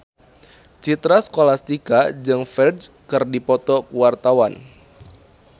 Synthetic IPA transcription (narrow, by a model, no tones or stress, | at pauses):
t͡ʃit̪ɾaskolast̪ikad͡ʒɨŋfɛrdd͡ʒkɨrdipɔt̪ɔkuwart̪awan